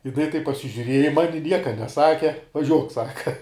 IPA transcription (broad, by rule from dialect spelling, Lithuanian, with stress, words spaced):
jɪˈnɐɪ tɐɪp pɐsʲɪʒʲʊˈrʲiɛjɛ ɪ ˈmɑːnʲɪ ˈnʲiɛkɐ nʲɛˈsɑːkʲɛ ʋɐˈʒʲuɔk ˈsɑːkɐ